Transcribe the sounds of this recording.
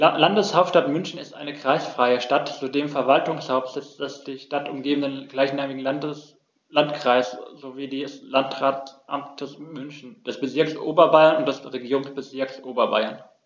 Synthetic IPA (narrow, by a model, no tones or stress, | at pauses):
landəshaʊp̚ʃtatmʏnçn̩ɪstʔa̰ɪnəkʁ̥aɪsfʁ̥aɪəʃtatzudeːmfɛɐvaltʊŋshaʊpsɛsd̥ɛsd̥iːʃtatʊmɡeːbən̩dənɡ̥laɪçnaːmɪɡŋ̩ | lantkʁ̥aɪszoviːdiːslantʁaːtʔa̰mtʰəsmʏnçn̩d̥ɛsb̥ət͡sɪɐksʔo̰ːbɐbaɪɐnʊnt̚d̥ɛsʁeɡiːʁʊŋsb̥əzɪɐksʔoːbɐba̰ɪɐn